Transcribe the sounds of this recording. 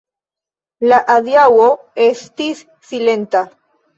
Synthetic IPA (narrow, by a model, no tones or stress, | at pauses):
laʔaðjawo | est̪is | θilent̪a